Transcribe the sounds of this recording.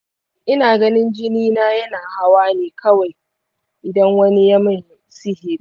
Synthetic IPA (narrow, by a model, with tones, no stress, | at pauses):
ʔɪ˦naː˨ɡɐ˦nɪ˦nd͡ʒɪ˦niː˦naː˦jɐ˦naː˨ha˦waː˦neː˨kʰɐ˦wa˨j | ʔɪ˨dɐ˦ŋwɐ˦ni˦jɐ˦mɐ˦˨j | si˦hɪ˦ɾi˦